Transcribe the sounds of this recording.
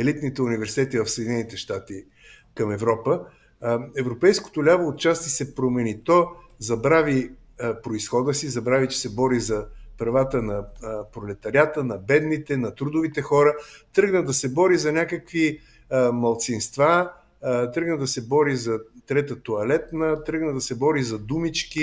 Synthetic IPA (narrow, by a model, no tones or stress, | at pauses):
ɛlit̪nit̪ɛunivɛɾsi̥t̪ɛt̪ivɐfsed̪inɛnit̪ɛʃt̪at̪i | kɐmɛvɾɔpə | ɛvɾopɛjsko̥t̪olʲavoːt̪̚t͡ʃast̪vəsɛpɾomɛnit̪ɔ | zɐbɾavi | pɾoisxɔd̪əsizɐbɾavit͡ʃɛ̥sɛbɔɾizɐpɾɐvat̪ənɐpɾolɛt̪ɐɾjat̪ənɐbɛd̪nit̪ɛnɐt̪ɾud̪ʊvit̪ɛxɔɾət̪ɾɤɡnəd̪ɐsɛbɔɾizɐnʲakəkvi | mɐlˠt̪sinst̪va | t̪ɾəɡnəd̪ɐsɛbɔɾizɐt̪ɾɛt̪ət̪oɐlɛt̪nət̪ɾɤɡnəd̪ɐsɛbɔɾizɐd̪umit͡ʃki